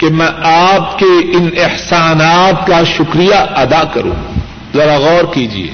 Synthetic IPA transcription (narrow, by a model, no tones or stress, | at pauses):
kemɛ̃ʔaːpkeɪnɪhsaːnaːt̪kaʃʊkɾijaʔɐd̪aːkɐ̰ɾṵ̃ː | zɐɾaɣɔːɾkiːd͡ʒḭḛː